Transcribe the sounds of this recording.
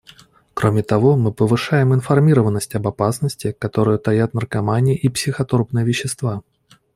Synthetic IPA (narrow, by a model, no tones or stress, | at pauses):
kɾʔomʲɪt̪ɐvo̞mɨpəvɨʂajɪmɨnfɐrmʲiɾəvənːəsʲtʲɐbɐpasnəsʲtʲɪkɐt̪o̞ɾɨjʊt̪ɐjat̪nərkɐmanʲɪəʔipsʲɪxɐt̪orpnɨjəvʲɪɕːɪst̪va